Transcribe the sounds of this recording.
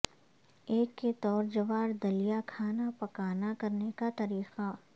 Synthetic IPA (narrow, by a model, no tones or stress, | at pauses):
eːkːet̪ɔːɾd͡ʒɐʋaːɾd̪ɐlijakʰaːnapɐkaːnakɐɾnekat̪ɐɾiːqa